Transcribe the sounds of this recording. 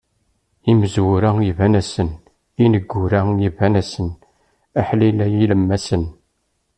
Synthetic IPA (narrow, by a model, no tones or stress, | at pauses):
iməzwʊɾæivænæsən | inəɡʷːʊɾæjivænæsən | æħlilæjiləmːæsən